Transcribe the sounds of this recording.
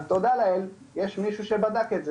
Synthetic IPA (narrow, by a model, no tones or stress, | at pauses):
t̪od̪alael | jeʃmiʃuʃebad̪aket̪ze